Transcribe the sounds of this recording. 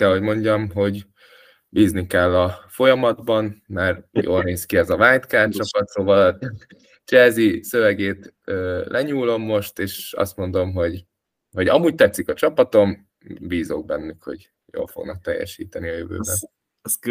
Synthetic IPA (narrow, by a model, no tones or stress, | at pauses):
kɛlɦo̞ɟmo̞ɲɟɒmɦo̞ɟ | biːznikɛlːɒfo̞jɒmɒd̪bɒnmaːrjo̰ːlneːskiɛzɒvaːɲt̪kaːt͡ʃɒpɒt̪soːvɒlɒ | t͡ʃɛlzisø̞vɛɡeːt̪ | øːlʔɛɲuːlo̞mːo̞ʃt̪eːʃɒ̰st̪mo̞nd̪o̞mɦo̞ɟ | ho̞ɟɒmuːɟ̚t̪ɛt̪sikɒt͡ʃɒpɒt̪o̞m | biːzoɡ̚bɛnːykho̞̰ɟ | jo̰ːlfo̞ɡnɒk̚t̪ɛjːɛ̰ʃiːt̪ɛniɒjøvø̰ːbɛ